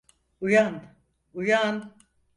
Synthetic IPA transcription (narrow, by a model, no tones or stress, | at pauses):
ujan | ujan